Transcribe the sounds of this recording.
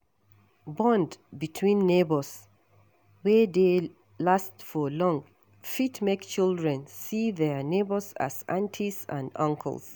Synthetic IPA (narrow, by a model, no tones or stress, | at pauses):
bɔ̃ndbitʰwĩnːebəs | wɛde | lastfɔlɔ̃ŋ | fitmekt͡ʃilˠdɹɛ̃nsiðɛnebəza̰zã̰ntʰizã̰nʌ̃ŋkʰə̰lˠs